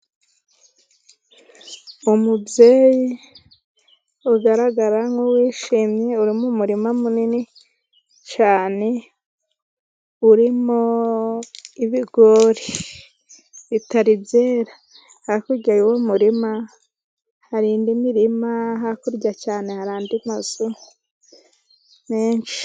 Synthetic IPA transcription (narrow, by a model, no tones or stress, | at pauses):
umubje̞ːji | uɡaɾaɡaɾaŋowiːʃiːmɲe̞uɾimumuɾimamunini | t͡ʃaːne̞ | uɾimo | iβiɡoɾi | βitaɾizeɾa | hakuɟaɾiwomuɾima | haɾiːndimiɾimaɦakuɾɟacaːne̞haɾaːndimazu | meːnʃi̥